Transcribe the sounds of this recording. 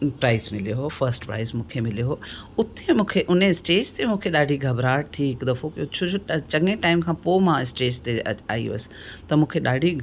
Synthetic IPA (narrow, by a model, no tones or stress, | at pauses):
pɾaːɪzmɪlijoɦoːfʰɐɾsʈpɾa̰ːɪzmũːkʰemɪljoɦoːʊt̪emũːkʰeʔʊneɪsʈeːd͡ʒt̪emũːkʰeɗaːɖʱiɡʱɐbɾaːɽt̪ʰiɪkd̪ɐfokot͡ʃʰod͡ʒot͡ʃɐ̃ŋẽʈaːɪmkʰãːpoːmãːɪsʈeːd͡ʑt̪ea̰ːḭo̰ɐsɪ̥t̪ɐmũːkʰeɗaːɖʱi